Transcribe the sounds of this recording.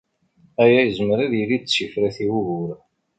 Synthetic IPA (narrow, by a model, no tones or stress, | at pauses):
æjæjəzməɾæðjilid̪̚t͡sːifɾæθiwuɣʊɾ